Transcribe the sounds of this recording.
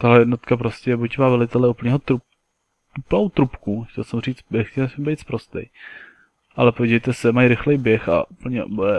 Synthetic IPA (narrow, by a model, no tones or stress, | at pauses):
t̪aɦlɛjɛdnot̪kapɾoscɛbucmaːvɛlɪt̪ɛlɛup̩ɲiːɦot̪ɾu | up̩nowt̪ɾupkuxcɛlsɛmriːt͡s̪bɪxcɛlsɛmbɛjt̪spɾost̪ɛ̰j | ʔalɛpojɟivejt̪ɛsɛmajɾɪxlɛjbjɛxa̰ʔupl̩ɲɛ̰bɛ